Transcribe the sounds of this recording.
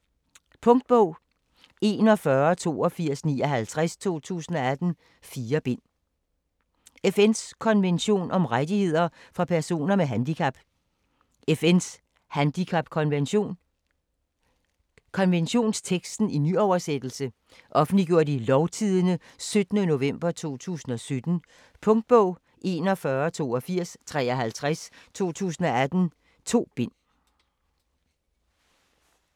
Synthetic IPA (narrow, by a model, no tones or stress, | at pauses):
pʰɔ̽ŋd̥̚b̥ɔʊ̰ | e̝ːnɒ̽fɶɐt͡sʰo̝̰ːɒ̽fiɐ̰snḭːɒɦælt͡sʰʁast͡sʰo̝̰ːt͡sʰṵːsn̩ɒ̽æd̥n̩ | fiːɐb̥e̝n̰ | efen̰skʰɒ̽nʋenɕo̝̰ːnʔɒ̽mʁad̥ihe̝ð̞̰ˠɐfʁɑ̈pʰæɐso̝̰ːnɐmeɦænd̥ikʰæb̥ | efen̰s | hænd̥ikʰɑb̥kʰɒ̽nʋenɕo̝̰ːn | kʰɒ̽nʋenɕo̝̰ːnst͡sʰeɡ̥sd̥n̩inyɒʊɐsed̥l̩sə | ʔɒ̽fn̩d̥liɡ̥jo̝ɐ̰d̥ilɒʊt͡sʰiðˠənəsød̥nəno̝ʋem̰b̥ɐt͡sʰo̝̰ːt͡sʰṵːsn̩ɒ̽sød̥n̩ | pʰɔ̽ŋd̥̚b̥ɔʊ̰ | ʔe̝nɒ̽fɶːɐt͡sʰo̝̰ːɒ̽fiɐ̰st͡sʰʁɛ̰ːɒɦælt͡sʰʁast͡sʰo̝̰ːt͡sʰṵːsn̩ɒ̽æd̥n̩ | t͡sʰo̝̰ːb̥e̝n̰